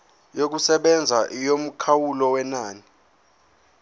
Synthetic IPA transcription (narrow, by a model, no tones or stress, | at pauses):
jok̬usɛɓɛnd͡zʱaʔijom̩kʰawulɔwɛnaːni